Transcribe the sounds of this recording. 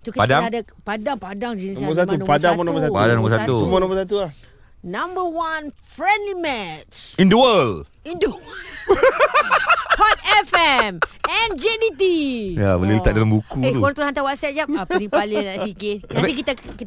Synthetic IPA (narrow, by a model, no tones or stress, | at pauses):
t̪ukipadaada | padaŋpadaŋd͡ʒinisnbəs̬atmauñpadamɔnɔ̃mbəsapadaŋnɔ̃mbəsat̪umɔnɔ̃mbəsat̪ula | nãmbəwanfɾɛ̃ndlimɛtt͡ʃĩndəwəl | indəw | pɔt̪ɛfɛmɛ̃nd͡ʒedit̪ija̰bəliit̪at̪̚dalambukuet̪ukɔɾt̪uhant̪awat̪̚sɛt̪̚d͡ʒapapanialɪafikɪat̪ikit̪akit̪